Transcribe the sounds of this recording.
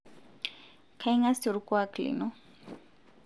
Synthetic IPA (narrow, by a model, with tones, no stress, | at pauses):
kʰa˦i˦ŋa˦sɪ˨ɾukwa˦klḭnɔ